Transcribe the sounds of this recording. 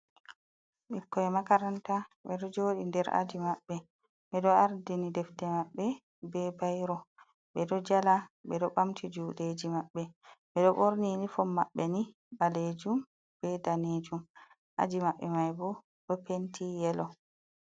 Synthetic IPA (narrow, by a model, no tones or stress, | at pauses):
ɓikːɔɛmakaɾantaɓɛɗɔd͡ʒoːɗindɛɾʔa̰d͡ʒimaɓːɛ | ɓɛɗɔaɾdinidɛftɛmaɓːɛ | bɛbajɾɔ | ɓɛɗɔd͡ʒalaɓɛɗɔɓamtʰid͡ʒuːɗed͡ʒimaɓːɛɓɛɗɔɓoɾninifɔmːaɓːɛni | ɓaled͡ʒum | b̥ɛdaned͡ʒum | ʔa̰d͡ʒimaɓːɛmajbɔ | ɗɔpentʰijɛlɔ